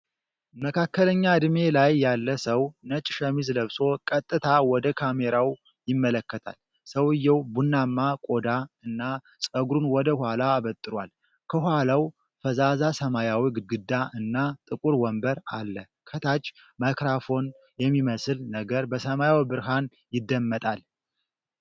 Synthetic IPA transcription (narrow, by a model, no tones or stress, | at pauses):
məkʰakːələɲːad̪ɨme̞lajːalːəsəwnət͡ʃʼʃəmizləβso̞kʼət̪ʼːɨt̪ʰawɔd̪əkʰame̞ɾaw | jɪmːələkːət̪ʰa̰l | səwɨjːɛwbunːamːakʼo̞d̪aɨnːa | sʼəɡɾunwɔd̪əhwalaːβət̪ʼːɨɾwa̰l | kʰəɦalaw | fəzazasəmajawiɡɨɡɨd̪ːaɨnːat̪ʼɨkʼuɾwɔmbəɾalːə | kʰət̪ʰat͡ʃʼː | majkɾafo̞n | jɛmːiməsɨlnəɡəɾbəsəmajawbɨɾɦan | jɪd̪ːəmːət̪ʼal